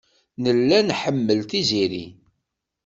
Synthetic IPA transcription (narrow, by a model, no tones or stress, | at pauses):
nəlːænħəmːəlt̪iziɾḭ